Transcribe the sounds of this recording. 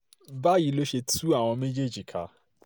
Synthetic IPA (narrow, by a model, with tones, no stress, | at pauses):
ba˦ji˨lo˦ʃe˧tʰu˦a˦˨w̃ɔ̃˧mẽ˦d͡ʒe˦˨d͡ʒi˨kʰa̰˨